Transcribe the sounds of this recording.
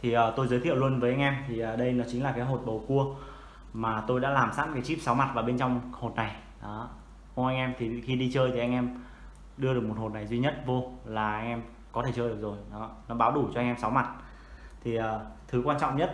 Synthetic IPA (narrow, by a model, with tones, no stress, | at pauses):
t̪ʰi˨˩ʔəː˨˩t̪o˧jzəː˨˦t̪ʰḭ˧˨əwlu˧ənvəː˨˦ja˧jŋ̟ʔɛ˧mt̪ʰi˨˩ʔəː˨˩ɗə˧jnɔ˨˦t͡ɕï˨˦ŋ̟laː˨˩kaː˨˦jɦo˨˩t̚ɓə˨˩wku˧ə | maː˨˩t̪o˧jɗa̰ː˧˥laː˨˩msaː˧˥mkaː˨˦jt͡ɕi˦˥p̚sa˨˦wma˨˩t̚vaː˨˩ɓe˧nt͡ɕɔ˧wŋ͡mho˨˩t̚na˨˩j | ɗɔː˨˦ | ʔʊ˧ʔa˧ŋʔɛ˧mt̪ʰi˨˩˨xi˧ɗi˧t͡ɕəː˧jt̪ʰi˨˩ʔa˧ŋ̟ʔɛ˧m | ɗɨ˧əɗɨ˨˩ək̚mo˨˩t̚ho˨˩t̚na˨˩jzwi˧ɲə˦˥t̚vo˧laː˨˩ʔa˧ŋ̟ʔɛ˧m | kɔ˨˦e˧˩t͡ɕəː˧ɗɨ˨˩ək̚zo˨˩jɔ˨˦nɔ˨˦ɓaː˨˦wɗu˧˩t͡ɕɔ˧a˧jŋ̟ʔɛ˧msa˨˦wma˨˩t̚ | t̪ʰi˨˩ʔəː˨˩t̪ʰɨ˨˦kwaː˧nt͡ɕɔ̰˧˨wŋ͡mɲə˦˥t̚